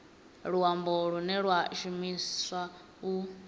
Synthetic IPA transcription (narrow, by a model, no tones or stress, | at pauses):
ɺuwamboɺunɛɺwaʃumiswa | u